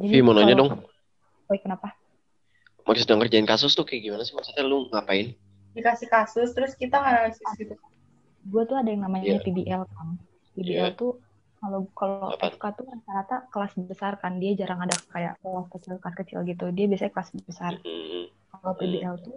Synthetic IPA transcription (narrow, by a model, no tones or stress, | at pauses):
d͡ʒadimɔnoɲadɔŋ | ɔjkənapa | maksədaŋkərd͡ʒaɪnkasʊst̪ʊkɛɡimanasɪmasat̪alʊŋapaɪn | dikasɪhkasʊst̪əɾʊskit̪aŋaɾaasait̪ua | ɡuat̪uadajaŋnamaɲapibiʔɛlkan | pibiʔɛlt̪u | kalokaloʔɛfkat̪urat̪aɾat̪akəlasbəsarkandiad͡ʒaɾaŋadakaja̰ʔkəlaskət͡ʃɪlkaskət͡ʃɪ̰lɡit̪udiabiasaɲakəlasbəsar | kalopibiɛlt̪u